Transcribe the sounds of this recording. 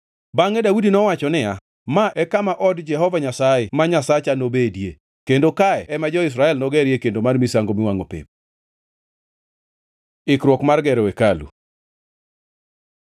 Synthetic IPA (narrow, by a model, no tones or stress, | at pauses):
baŋɛdaudinɔwat͡ʃɔnɪa | maʔɛkamaʔɔdd͡ʒɛɦɔvaɲasajɛmaɲasat͡ʃanobedje | kendokaɛɛmad͡ʒɔɪs̬ɾaɛlnɔɡɛɾjekendomarmisaŋɡomɪwaŋopḛp̚ | ɪkɾwɔkmarɡɛɾɛwekalṵ